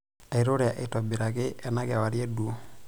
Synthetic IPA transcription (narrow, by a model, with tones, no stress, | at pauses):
a˨i˨ɾo˦ɾɛ˨a˨ʔe˨tɔ˨bi˨ɾa˨ɡɪ˦ɛ˨na˦ɡɛ˨wa˨ɾje˦du˨˦